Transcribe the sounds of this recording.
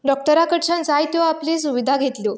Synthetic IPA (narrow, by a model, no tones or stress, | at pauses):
ɖɔk̚ʈəɾakəʈɕãnt͡sajt̪oʋaːples̬uʋid̪ʱaɡʱet̪lo